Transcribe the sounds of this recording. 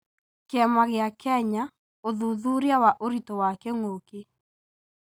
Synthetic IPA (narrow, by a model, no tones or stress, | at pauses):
keɛmaɣeakɛɲa | oðuðuɾjawaʔoɾitowakɛŋoke